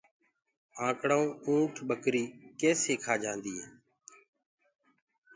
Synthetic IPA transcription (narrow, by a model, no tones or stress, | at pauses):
ãːkɽaːũːũːʈʰɓəkɾiːkeːseːkʰaːd͡ʒãːnd̪iːɦɛː